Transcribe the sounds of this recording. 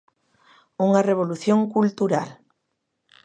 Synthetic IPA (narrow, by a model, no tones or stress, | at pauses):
uŋareβ̞oluθjoŋkult̪uɾal